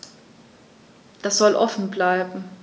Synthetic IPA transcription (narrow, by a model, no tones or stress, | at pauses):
d̥asz̥ɔlʔɔfn̩blaɪbm̩